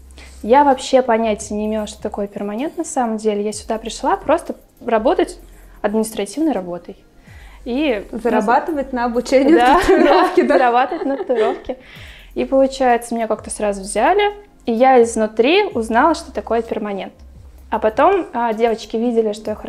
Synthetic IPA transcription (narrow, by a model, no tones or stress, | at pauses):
javɐpɕːe̞pɐnʲætʲɪjənʲɪɪmʲe̞lˠəʂt̪ot̪ɐko̞jəpʲɪrmɐnʲe̞nt̪nɐsaməmdʲelʲɪjasʲʊd̪apɾʲɪʂlˠapɾo̞st̪ə | rɐbo̞t̪ətʲ | ɐd̪mʲɪnʲɪst̪ɾɐtʲivnəjrɐbo̞t̪əj | izəɾɐbat̪ɨvət̚ʲnəɐbʊt͡ɕenʲɪjd̪aofkʲɪd̪ɾɐbat̪əvətʲnəpt̪ʊɾo̞fkʲɪ | ipəlˠʊt͡ɕæjɪt̪səmʲnʲekakt̪əsɾazʊvzʲælʲɪ | ijaɪzvnʊt̪ɾʲiʊznalˠəʂt̪o̞̥t̪ɐko̞jəpʲɪrmɐnʲe̞nt̪ | ɐpɐt̪o̞mədʲe̞vət͡ɕkʲɪvʲidʲɪlʲɪʂt̪ojax